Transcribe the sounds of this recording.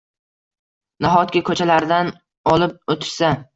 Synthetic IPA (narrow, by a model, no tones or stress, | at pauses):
naɦɒt̪̚kʲakʰɵt͡ʃʰalaɾd̪an | ɒlˠɪp̚ot̪ʰɪ̥ɾsa